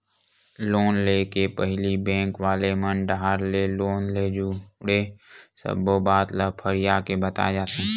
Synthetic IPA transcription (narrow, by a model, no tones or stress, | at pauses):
loːnleːkepəɦɪlibɛ̃ːŋkwaːlemənɖaɦaɾleloːnleːd͡ʒuɽesə̰bobaːt̪ləpʰəɾɪjaːkebət̪a̰d͡ʒaːt̪eɛ̃